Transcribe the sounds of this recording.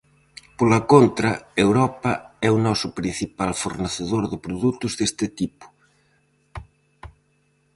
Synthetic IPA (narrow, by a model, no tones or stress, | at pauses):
polɐkont̪ɾɐewɾɔpɐɛʊnɔsʊpɾin̟θipalfoɾneθeðoɾðɪpɾoðut̪ʊzðest̪ɪt̪ipʊ̥